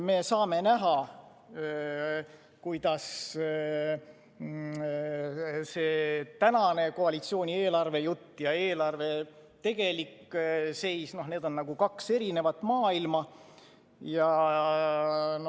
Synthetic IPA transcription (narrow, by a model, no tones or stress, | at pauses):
me̞ːsɑːme̞næɦɑ | kujd̪̥ɑs | se̞ːt̪ænɑne̞ko̞ɑlit̪sio̞ːnʲie̞ːlɑrve̞jut̪ːjɑe̞ːlɑrve̞t̪e̞ɡ̥e̞likːse̞jsno̞ɦne̞ːd̪o̞nːɑɡ̥ukɑkse̞ɾine̞vɑt̪ːˑmɑːilmɑ | jɑ | n